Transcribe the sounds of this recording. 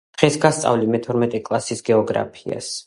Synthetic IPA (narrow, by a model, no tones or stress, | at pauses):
d̪̥ʁɛsɡast̪sʼa̰vlimɛt̪ʰɔɾmɛt̪ʼɛkʼlˠasisɡɛɔɡɾa̰pʰia̰s